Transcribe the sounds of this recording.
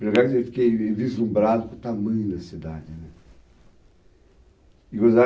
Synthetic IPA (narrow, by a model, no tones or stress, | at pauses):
leɡaɾewfi̥kejevizlũbɾad̪ʊkõt̪amɐ̃j̃nɐsid̪ad͡ʒɪnɛ | iɡoza